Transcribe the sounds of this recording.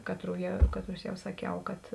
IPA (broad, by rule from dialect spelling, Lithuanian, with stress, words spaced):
ˈkɑːtruː jɛ ˈkɑːtˌrʊs ˈjɛʊ sɐˈkʲɛʊ kɐt